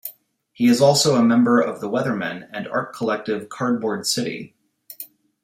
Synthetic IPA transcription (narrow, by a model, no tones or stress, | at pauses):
hiɨzɔlˠsoʊəmɛ̃mbə˞ʔʌvðəwɛðə˞mɨ̰̃nɨ̃nɑ̰ɹt̚kʰəlɛk̚tɨv̥kʰɑɹd̚bɔɹd̥sɪɾḭ